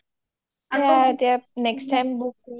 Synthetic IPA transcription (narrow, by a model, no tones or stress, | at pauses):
at̪anɛksʈãɪ̃mbuk